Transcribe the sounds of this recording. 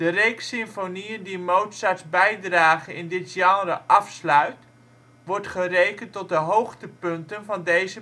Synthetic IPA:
d̥ərejksɪmfoniəndimowtsatzbɛjdraːχənɪndɪtjɑərəʔɑfslœɥt | ʋɔɹtχərejkəntɔt̚dəɦowχtəpɵntənvɑndejzə

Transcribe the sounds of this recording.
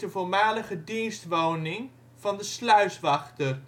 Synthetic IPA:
dəvolmaːləχədinstʋownɪŋ | v̥ɑndəslœɥsʋɑχtər

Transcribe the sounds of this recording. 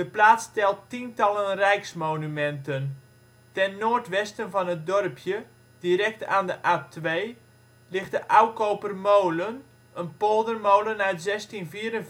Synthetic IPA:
d̥əplaːstɛlˠtintɑlənrɛjksmoːnymɛntən | tɛnːoːrtʋɛstənfɔnət̚dɔrpʰjə | d̥iɾɛk̚taːndəʔaːtʰʋeː | lɪxt̚dəʔawkowpərmowlən | ənpolˠdərmowlənaɥtzɛstinfiəɾən

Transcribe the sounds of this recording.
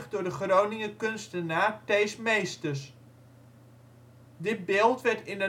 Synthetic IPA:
χdʊːɹdəχrownɪŋəkønstənaːtejsmejstəs | dɪt̚beːlˠtʋɛɹtɪnə

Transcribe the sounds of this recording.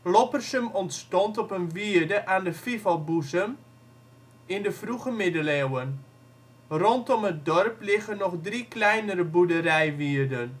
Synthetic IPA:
lɔpərsəmɔntstɔntɔpənʋiərdəʔaːndəfifalˠbuzəm | ɪndəfruɣəmɪdəlewən | rɔntɔmət̚dɔrplɪɣənɔxdriklɛjnəɾəbudəɾɛjʋiərdən

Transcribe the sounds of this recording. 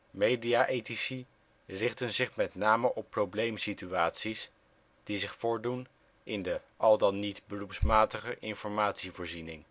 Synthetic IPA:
mejdiaʔejtisi | rɪχtənzɪχmɛtnaːməʔɔpːrowblejmsityaːtsis | d̥izɪχfʊːɹdun | ʔɪndəʔɑlˠdɑnːitbərupsmaːtəχəʔɪnfɔɹmaːtsivʊːɹzinɪŋ

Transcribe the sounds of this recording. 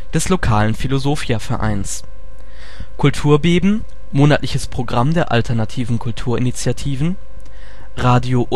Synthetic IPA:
d̥ɛslokʰaːlənfilozoːfiafɛɐʔa̰ɪns | kʰʊltʰuːɐbeːbm̩ | moːnatlɪçəspʁ̥oɡʁamdeːɐʔa̰ltʰɛɐnatʰiːvn̩kʰʊltʰuːɐʔɪnit͡sjatʰiːvn̩ | ʁaːdjoʔ

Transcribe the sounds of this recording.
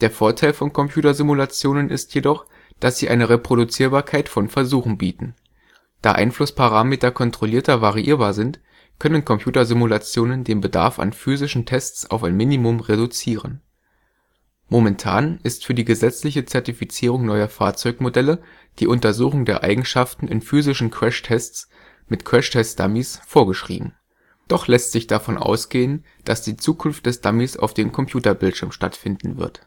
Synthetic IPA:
d̥eːɐfoːɐtʰaɪlfɔnkʰɔmpj̥uːtɐzimulat͡sjoːnənɪstjedɔχ | d̥asz̥iːʔaɪnəʁepʁ̥odut͡siːɐbaːɐkʰaɪtfɔnfɛɐzuːxn̩biːtn̩ | d̥a̰ːʔa̰ɪnflʊspaʁaːmeːtɐkʰɔntʁ̥oliːɐtɐvaʁiʔḭːɐbaːɐzɪnt | kʰœnənkʰɔmpʰj̥uːtɐzimulat͡sjoːnəndeːnbəda̰ɐfa̰nfyːzɪʃn̩tʰɛst͡sa̰ʊfaɪnmɪnimʊmʁedut͡siːʁ̞ən | momɛntʰa̰ːnɪstfyːɐdiːɡəzɛt͡slɪçət͡sɛɐtifit͡siːʁ̞ʊŋnɔʏɐfa̰ːɐt͡sɔʏkmodɛlə | d̥iːʔʊntɐzuːxʊŋdeːɐʔaɪɡŋ̩ʃaftn̩ɪ̰nfyːzɪʃn̩kʰv̥ɛʃtʰɛst͡s | mɪtkʰv̥ɛʃtʰɛstd̥a̰misfoːɐɡəʃʁ̥ḭːbm̩ | d̥ɔχlɛstz̥ɪçd̥afɔnʔa̰ʊsɡ̥eːən | d̥asd̥iːt͡suːkʰʊnftd̥ɛsd̥amisa̰ʊfd̥eːmkʰɔmpʰj̥uːtɐbɪltʃɪɐmʃta̰tfɪndn̩vɪ̰ɐt

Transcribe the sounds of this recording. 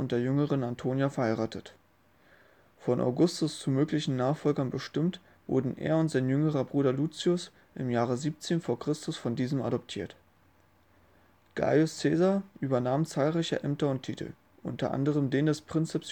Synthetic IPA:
ʊntd̥eːɐjʏŋəʁənantʰoːnjafɛɐhaɪʁaːtət | fɔnʔa̰ʊɡʊstʊst͡sumøːklɪçn̩naːχfɔlɡɐnbəʃtɪmt | v̥ʊ̰ɐdn̩ʔḛːɐʊntz̥aɪnjʏŋəʁɐbʁuːɾɐluːt͡siʊs | ʔɪmjaːʁ̞əziːp̚t͡seːnfoːɐkʁ̥ɪstʊsfɔndiːzəma̰dɔptʰiːɐt | ɡ̥a̰ʊst͡sɛːzaɐʔyːbɐnaːmt͡saːlʁaɪçɐʔɛmtɐʊntʰḭːtl̩ | ʔʊ̰ntɐ̰ʔa̰ndəʁ̞əmdeːndɛspʁ̥ɪnt͡sɛps

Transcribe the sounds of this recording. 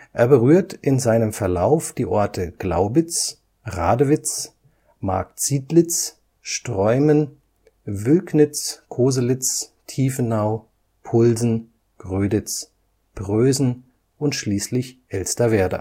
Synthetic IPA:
ʔeːɐbəʁyːɐtʔɪnzaɪnəmfɛɐlaʊfd̥iːʔɔɐtʰəɡ̥la̰ʊbɪt͡s | ʁa̰ːdəvɪt͡s | ma̰ɐk̚t͡siːtlɪt͡s | ʃtʁ̥ɔʏmən | vʏlknɪt͡skʰoːzəlɪt͡stʰiːfn̩naʊ | pʰʊlzn̩ | ɡ̥ʁøːdɪt͡s | b̥ʁøːzn̩ | ʔʊntʃliːslɪçʔɛlstɐveːɐdɐ̰

